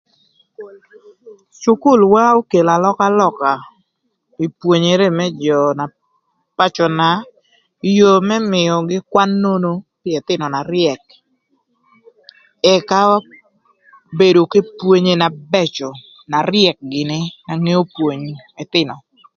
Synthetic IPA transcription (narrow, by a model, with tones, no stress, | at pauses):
t͡ʃʊ˦kʊ˦˨lwa˦o˦ke˨la˨lɔ˦ka˦lɔ˦ka˨ | i˨pwo˨ɲe˨ɾe˦mɛ˦d͡ʒɔ˨na˨ | pa˦t͡ʃɔ˨na˨ | i˦jo˨mɛ˦mɪ˨ɔ˨ɡɪ˦kwa˦nːo˦no˦pje˨t̪ɪ˦nɔ˨na˨ɾɪɛ˨k̚ | ɛ˨ka˦ | be˨do˨ke˦pwo˦ɲe˨na˨bɛ˦t͡ʃɔ˨ | na˨ɾɪɛ˨k̚ɡɪ˨nɪ˦na˨ŋe˦o˦pwo˨ɲe˨t̪ɪ˦nɔ˨